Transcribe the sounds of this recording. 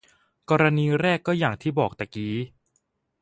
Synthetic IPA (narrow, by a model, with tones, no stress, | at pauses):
kɔː˧ɾa˧niː˧ɾɛː˥˩kːɔː˥˩jaː˨˩ŋt̪ʰiː˥˩bɔː˨˩k̚t̪a˨˩kiː˨˦